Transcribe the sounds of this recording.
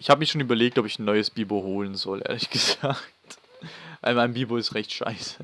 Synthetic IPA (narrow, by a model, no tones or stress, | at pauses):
ʔɪçhaːbəmɪɐʃoːnyːbɐleːk̚tɔpɪçn̩nːɔʏəsb̥iːboɦoːlənzɔlʔḛːɐlɪçɡ̥əz̥aːk̚t | va̰ɪlmaɪnbiːboɪstʁɛçtʃa̰ɪsə̥